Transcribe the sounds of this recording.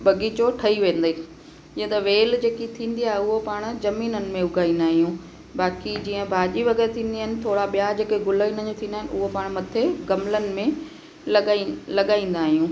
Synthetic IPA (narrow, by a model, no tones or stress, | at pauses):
ɓɐɡiːt͡ɕoʈʰɐiʋẽːn̆d̪eː | d͡ʑĩːə̃t̪ɐʋeːld͡ʑeːkit̪ʰĩːnd̪iaːɦeʊɦopaːɽ̃ʊ̆zɐmiːnənɪ̆mẽʊɡʱaːĩːn̆d̪aːɦijũː | baːkid͡ʑĩːə̃bʱaːʄiʋɐɡɛːɾt̪ʰĩːn̆d̪iaɦɪnɪ̆t̪ʰoːɽaɓijad͡ʑeːkeɡʊləinəɲd͡ʑõt̪ʰĩːnd̪aːɦɪnʔʊɦopaːɽ̃mɐt̪ʰeɡɐmlənɪ̆mẽ | lɐɠaːĩːn̆d̪aːɦijũː